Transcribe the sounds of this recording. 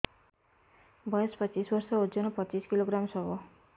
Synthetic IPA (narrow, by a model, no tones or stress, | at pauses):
bʌjʌspʌt͡sisbʌrsʌud͡zʌnʌpʌt͡siskiloɡramsʌbo